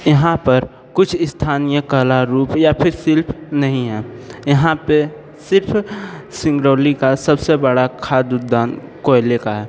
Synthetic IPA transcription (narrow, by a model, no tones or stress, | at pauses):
jɐɦãpəɾ | kʊt͡ʃʰɪst̪ʰaːnijəkəlaɾuːpjapʰɪɾsɪlpʰnɐɦĩɦɛːjɐɦãpe | sɪɾpʰsɪ̃ŋɡɾoːlikasəbsebəɽakʰaːd̪ud̪aːnkolekaɦɛː